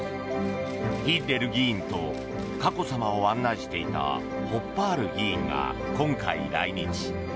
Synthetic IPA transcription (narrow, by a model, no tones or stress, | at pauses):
bʲit̪e̞ɾɯ̟ɡʲĩːnt̪o̞ | kako̞samaoãnːaʑi̥t̪e̞it̪a̰ | ho̞pːaːɾɯ̟ɡʲĩːŋɡa̰ | kõ̞ŋkaiɾa̰iɲ̟it͡ɕi̥